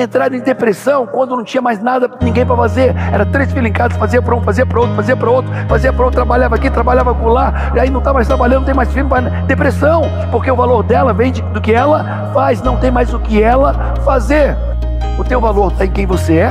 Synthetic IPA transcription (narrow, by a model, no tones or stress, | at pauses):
ẽnt̪ɾad̪ẽd̪epɾesɐ̃w̃kwɐ̃nd̪ʊnɐ̃w̃t͡ʃĩɲɐmajznad̪ɐnĩɡẽj̃pɾɐfazeɾɛɾɐt̪ɾesfilẽŋkad̪ɐsfaziɐpɾɐũfaziɐpɾɐowt̪ɾʊ̥faziɐpɾɐowt̪ɾʊfaziɐpɾɐot̪ɾabaʎavɐakit̪ɾabaʎavɐpʊla | aĩnɐ̃t̪avɐmajs̬t̪ɾabalɐ̃d̪̃t̪ẽmajsfilmʊpɾa | d̪epɾesɐ̃w̃ | poɾkeʊvaloɾd̪ɛlɐvẽj̃d͡ʒɪd̪ʊkɪɛlɐ | fajsnɐ̃w̃t̪ẽj̃majzʊkɪɛlɐ | fazeɾ | ʊt̪ewvaloɾt̪aẽkẽj̃voseɛ